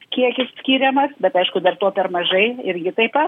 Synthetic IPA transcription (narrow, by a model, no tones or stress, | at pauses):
kʲiɛkʲɪssʲkʲiːɾʲɛmɐsbʲɛt̪ɐɪʃkʊd̪ɐrt̪oːpʲɛrmɐʒɐɪɪɾʲɡʲɪt̪ɐɪpɐ